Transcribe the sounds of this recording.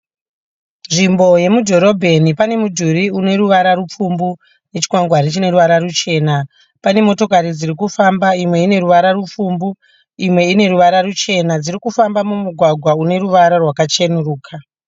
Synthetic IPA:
nʐimbo̞je̞mudʱo̞ɾo̞bʱe̞nipane̞mudʱuɾiune̞ɾuʋaɾarup͡fumbu | ne̞t͡ʃi̥kwaŋɡwaɾit͡ʃine̞ɾuʋaɾarut͡ʃe̞ːna | pane̞mo̞to̞kaɾid͡zirikufambaimwe̞ine̞ɾuʋaɾarup͡fumbu | imwe̞ine̞ɾuʋaɾarut͡ʃe̞nad͡zirikufambamumuɡʱwaɡʱwaune̞ɾuʋaɾarwakat͡ʃenuruːkʰa

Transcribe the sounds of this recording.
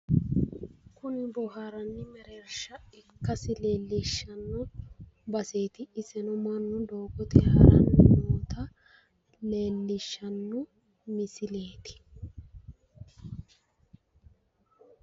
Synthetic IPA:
kʊnɪbɔhaɾɐnːɪmɛɾeːɾʃɐɪkːɐsɪle̞ːlːɪʃːɐnːʊ | bɐseːt̪ɪːsɛnʊmɐnːʊd̪oːɡɔt̪ɪhɐ̰ɾɐ̰nːɪmoːt̪ɐ | le̞ːlːɪʃːɐnːʊ | mɪsɪleːt̪ɪ̥

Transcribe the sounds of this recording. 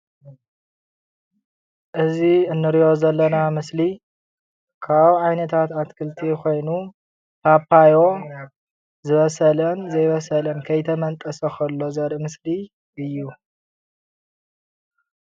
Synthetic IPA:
ʔɨziɨnːɨɾijo̞zɐlːɐnamɨsli | kʰaβuʕajnɐt̪ʰat̪at̪kʰɨlt̪ʰiko̞jnu | pʰapʰːajo̞ | zɨβɐsɐlɐnzɐjβɐsɐlɐnkʰɐjt̪ʰɐmɐnt̪ʼɐsɐxʰɐlːo̞zɐɾʔɨmɨsli | ʔɨjːu

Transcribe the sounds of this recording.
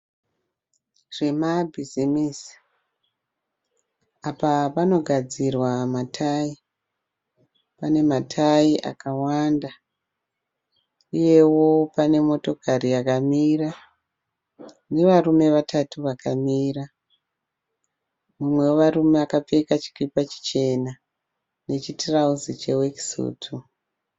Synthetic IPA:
ʐ̥e̞mabʱizimiːsi̥ | apapano̞ɡʱad͡zirwamatʰai | pane̞matʰaiʔa̰kawanda | uje̞wo̞pane̞mo̞to̞kʰariakamira | ne̞ʋarume̞ʋatʰatuʋakamiːra | mumwe̞woʋarume̞akap͡fe̞kat͡ʃi̥kipat͡ʃi̥t͡ʃe̞na | ne̞t͡ʃitrauzit͡ʃe̞weki̥sṵːtʰu

